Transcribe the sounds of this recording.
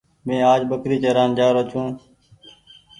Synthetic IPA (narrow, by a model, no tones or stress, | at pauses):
mẽːaːd͡ʒɓəkɾiːt͡ʃəɾaːnd͡ʒaːɾot͡ʃõː